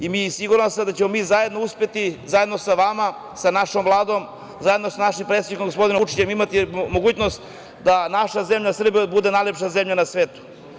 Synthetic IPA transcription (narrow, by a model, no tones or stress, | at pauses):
imiːsiɡuɾansad̪at͡ɕemo̞miːzaje̞d̪no̞uspe̞t̪izajed̪no̞saʋama | sanaʃomvlˠaːd̪o̞m | zajed̪nosanaʃimpɾet̪sed̪ikomɡospo̞d̪inot͡ʃi̥t͡ɕemimat̪imoɡuːt͡ɕnost̪ | d̪anaʃazemʎasr̩biobud̪e̞najlʲepʃazemʎanasʋeːt̪u̥